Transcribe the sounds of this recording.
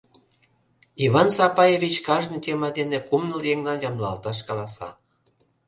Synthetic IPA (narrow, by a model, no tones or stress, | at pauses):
iβɑnsɑpɑjevʲit͡ɕkɑʒnɤt̪emɑd̪enekumnəljeŋlɑnjɑmlɑlt̪ɑʃkɑlɑsɑ̰